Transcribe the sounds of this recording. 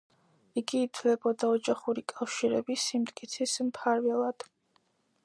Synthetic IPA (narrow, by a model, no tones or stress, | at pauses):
iɡiːt̪ʰvlɛbɔd̪aɔd͡ʒaχuɾikʼafʃiɾɛbisimt̪ʼkʼit̪sʰismpʰaɾvɛlˠad̪̥